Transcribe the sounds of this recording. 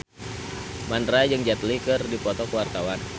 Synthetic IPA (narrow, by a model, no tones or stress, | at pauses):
mandɾad͡ʒɨŋd͡ʒat̪likɨrdipɔt̪ɔkəwart̪awan